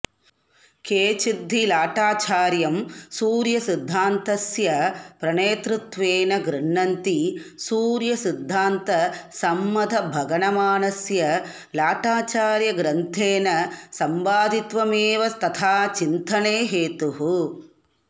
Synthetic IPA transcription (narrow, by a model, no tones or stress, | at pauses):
keːt͡ʃid̪ʱːilaːʈaːt͡ʃaːɾjɐmsuːɾjɐsid̪ʱːaːnt̪ɐsjɐpɾɐɳeːt̪ɾut̪ʋeːnɐɡɾɐɳːɐnt̪isuːɾjɐsid̪ʱːaːnt̪ɐsɐmːɐd̪ʱɐbʱɐɡɐɳɐmaːnɐsjɐ | laːʈaːt͡ʃaːɾjɐɡɾɐnt̪ʰeːnɐsɐmbaːd̪ʱit̪ʋɐmeːʋɐst̪ʰɐt̪ʰaːt͡ʃint̪ɐneːɦeːt̪uɦu